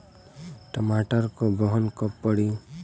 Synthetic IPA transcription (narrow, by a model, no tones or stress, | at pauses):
ʈəmaːʈəɾkobɔɦnkəpːəɽi